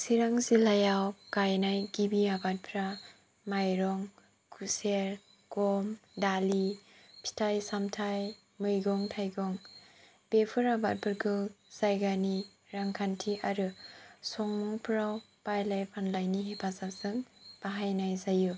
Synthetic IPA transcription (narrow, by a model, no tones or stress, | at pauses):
siɾaŋsilajawkajnajɡibiabat̚pʰɾa | majɾɔŋ | kʰuseɾ | ɡ̥ɔmdalipʰi̥tʰajsamtʰaj | mɯjɡɔŋtʰajɡɔŋ | b̥epʰɯɾabat̚pʰɯɾɡɯlz̥ajɡani | ɾaŋkʰantʰiʔaɾɯsɔŋmuŋpʰɾaw | pajlajpʰanlajniɦepʰasapsɯŋb̥aɦajnajzaju